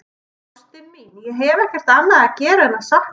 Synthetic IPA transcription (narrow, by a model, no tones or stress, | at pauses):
st̪ɪnminjɛɦɛvɛhcɛr̥t̪anːaðacɛːɾaɛnːasah